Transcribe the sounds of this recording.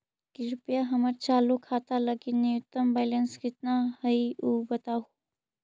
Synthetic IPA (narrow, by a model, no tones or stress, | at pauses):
kiɾʊpjaɦɐməɾt͡ʃaːlukʰaːt̪alɐɡinɪjʊt̪ːəmbɛːlənskɪt̪nahɐiuːbɐt̪aɦuː